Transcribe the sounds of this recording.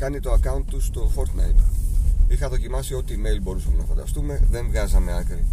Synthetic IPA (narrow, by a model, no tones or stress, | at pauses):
kɐnit̪oɐkɐunt̪ːust̪o̞fo̞ɾt̪nɐ̰jt̪ | ixɐðo̞cimɐsio̞t̪iːme̞jlbo̞ɾusɐmenɐfɐnd̪ɐ̰st̪ume̞ðe̞ɱvɣɐzɐme̞ɐkɾi